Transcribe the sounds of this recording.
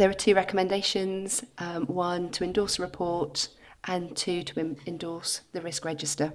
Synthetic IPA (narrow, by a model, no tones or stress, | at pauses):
ðəɹətʰʉːɹɛkəmɛ̃ndeɪʃə̃nz̥ʔwʌ̃ntʰəɪ̃ndɔˑsəɹɪpʰɔˑtʔə̃ntʰʉːtʰəɪ̃ndɔˑsðəɹɪskɹɛd͡ʒɪstə